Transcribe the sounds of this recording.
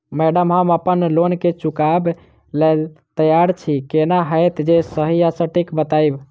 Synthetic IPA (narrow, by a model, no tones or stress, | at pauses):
mɛɖəmɦəməpənlonket͡ʃukab | lelt̪əjaɾt͡ʃʰikenaɦəjt̪d͡ʒesəɦijasəʈikbət̪ajb